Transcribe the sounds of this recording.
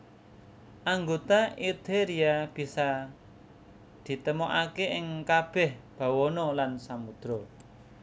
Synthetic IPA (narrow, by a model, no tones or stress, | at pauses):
ʔaŋɡot̪aid̪eɾiab̥i̤sa | d̪̥i̤t̪əmɔʔakeʔɪŋkab̥ɛhb̥a̤wɔnɔlansamud̪̥ɾɔ